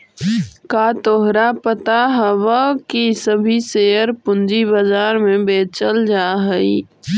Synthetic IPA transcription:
kaːt̪oɦɾapət̪aɦəwəkisəbʱiseːəɾpʊ̃nd͡ʒibəzaːɾmẽbeːt͡ʃəld͡ʒaːɦəi

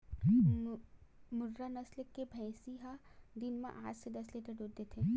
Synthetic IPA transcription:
mʊɾɾanɐslkːebʱɛ̃jsiɦad̪ɪnmḛ̃ʔaːd͡ʒsed̪ɐsleːt̪eɖud̪et̪ʰẽ

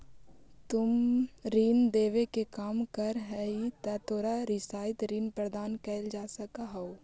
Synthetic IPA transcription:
t̪ʊmɾiːnd̪eːʋekekaːmkɐɾɦɛit̪ɛt̪ʰoːɾaɾɪsaːɪt̪ɾiːnpɾɐd̪aːnkɛːld͡ʒaːsɐkaɦoo

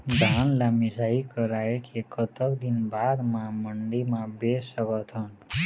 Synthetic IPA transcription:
d̪ʱanlamisaikʌɾaekʰekʌt̪ʌkd̪inbad̪mamʌɳɖimabesʌkʌt̪ʰʌn

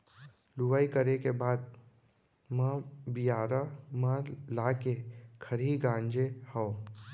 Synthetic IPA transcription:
lʊʋaːikəɾekebaːd̪̚ | mə̃bijaːɾamãlaːkekʰəɾiɡãːɲd͡ʒehaː

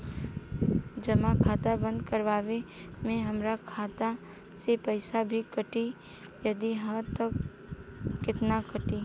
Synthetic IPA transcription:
d͡ʒəmakʰaːt̪abə̃nd̪kəɾʋaːʋemẽɦɐmɾakʰaːt̪a | sepəɪsabʱikəʈi | jəd̪iɦəɾt̪əkː | ɪt̪nakəʈi

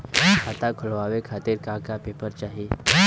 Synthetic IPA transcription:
at̪akʰəlʋaʋekʰat̪iːɾkakapepəɾt͡ɕaɦi

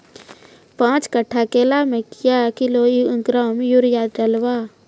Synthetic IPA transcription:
pãːt͡ʃkəʈʰːakeːlamẽkɪjakɪloːiə̃ŋkɾaːmjuɾjad̪ɾɐlwaː

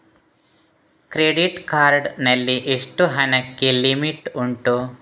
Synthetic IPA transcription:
kɾeɖiʈkaːɾɖnɐlːiʔeʂʈuɦɐnɐkːelimiʈuɳʈu

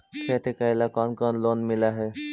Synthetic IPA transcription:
sɛʈ̪ʰekajlakɔnkɔnlonmilaɦɛ

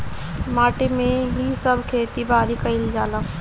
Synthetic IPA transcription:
maʈemeɦisəbʱkʰet̪ibaɾikəɪld͡ʒalə

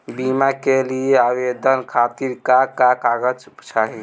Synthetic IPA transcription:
bimakelieaʋed̪ənkʰat̪iɾkakakaɡət͡ʃt͡ʃʰaɦi

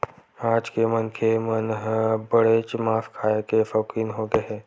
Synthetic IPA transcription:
aːd͡ʒkemənkʰemənɦbəɽet͡ʃmaːfkʰaːekefɔːkiːnɦoɡəɦɛː

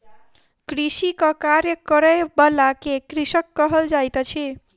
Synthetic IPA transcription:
kɾisikɔkaɾjəkəɾəjbəlakekɾisəkːəɦəld͡ʒajt̪t͡ʃʰi

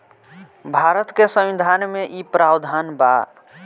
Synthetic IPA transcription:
bʱaɾət̪kesə̃mid̪ʱanmeʔipɾabd̪ʱanba

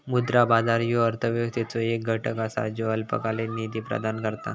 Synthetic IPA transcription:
mud̪ɾabad͡zaɾjoəɾt̪ʰəʋjot̪et͡soek̚ɡʱəʈəkasa̰d͡ʑoəlpə̰kalenid̪iːpɾə̰d̪ʱankəɾt̪a̰

